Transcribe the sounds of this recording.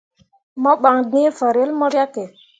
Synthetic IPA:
mɔ˦ɓa˨ŋdĩ˦fa˨ɾe˦lmɔ˦ɾja˦ke˨

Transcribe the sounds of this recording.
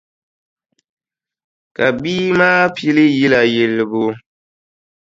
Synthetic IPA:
ka˨biː˦maː˦pi˦lɨ˦ji˦la˨je˨lɨ˨bo˨

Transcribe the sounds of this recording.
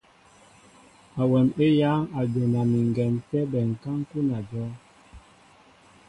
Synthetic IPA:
a˨wɛ˨ne˦ja˨˦ŋa˨d͡ʒe˨na˨mi˨ŋ˨ɡɛ˨ntɛ˦bɛ˨ŋ̩˨ka˦ŋ˦ku˦na˨d͡ʒɔ˦

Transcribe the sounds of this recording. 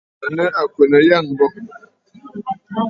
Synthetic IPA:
a˨nə˦ʔa˨kwe˨nə˨ja˦˨ŋ̩˨bɔ˦

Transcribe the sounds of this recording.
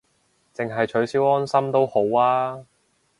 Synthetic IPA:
t͡sɪ˨ŋɦɐ˨jt͡ʃʰɵ˨˥ɥsiː˨˥wɔː˥nsɐ˥mt̪o˥who˨˥waː˥

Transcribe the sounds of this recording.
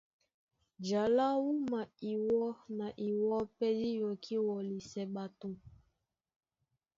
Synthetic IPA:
d͡ʒa˨la˦wu˦ma˨i˨wɔ˦na˨ʔi˨wɔ˦pɛ˦di˦jɔ˨kʰi˦wɔ˨li˨sɛ˨ɓa˨tu˦m

